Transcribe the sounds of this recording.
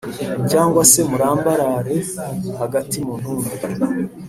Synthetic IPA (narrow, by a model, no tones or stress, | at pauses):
caːŋɡwase̞muɾaːmbaɾaɾe̞haɡatimun̥huːndɡa